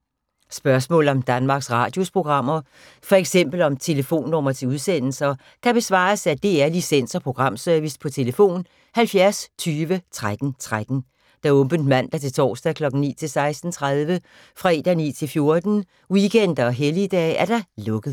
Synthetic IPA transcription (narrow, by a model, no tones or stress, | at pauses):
sb̥ɶɐsmɔ̰̽ːl̩ˠɒ̽md̥ænmɑ̈ːɡ̥sʁɑ̈ːd̥jo̝spʰʁo̝ɡ̥ʁɑ̈m̰ɐ | fɒ̽eɡ̥sem̰b̥l̩ɒ̽mt͡sʰe̝ləfo̝̰ːnːɔ̽m̰ɐt͡sʰe̝uð̞ˠsen̰l̩sɐ | kʰæb̥e̝sʋɑ̰̈ːsæd̥e̝æɐlisen̰sɒpʰʁo̝ɡ̥ʁɑ̈m̰søɐʋispʰɒ̽t͡sʰe̝ləfo̝̰ːn | hælfjæɐst͡sʰyːʋət͡sʰʁad̥n̩t͡sʰʁad̥n̩ | d̥ɑ̈ɔ̽mb̥ənd̥mæn̰d̥ɑɐt͡sʰe̝lt͡sʰɒ̰ːsd̥ækʰlɒ̽ɡ̥n̩nḭːt͡sʰe̝lsɑ̈ɪsd̥n̩t͡sʰʁað̞ˠʋə | fʁɑe̝d̥ɐnḭːt͡sʰe̝lfjo̝ɐd̥n̩ | wikʰen̰d̥ɐɒ̽ɦelid̥ɛ̰ːæɐd̥ɑ̈lɔ̽ɡ̥əð̩ˠ